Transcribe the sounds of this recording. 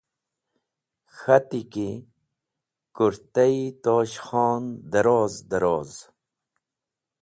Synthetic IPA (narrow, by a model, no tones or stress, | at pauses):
xat̪iki | kuɾt̪ait̪oːɕxɑːnd̪ɐɾoːzd̪aɾoːz